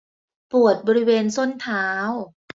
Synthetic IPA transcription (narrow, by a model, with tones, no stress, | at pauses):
pu˨˩ət̪̚bɔː˧ɾi˦˥weː˧nso˥˩nt̪ʰaː˦˥w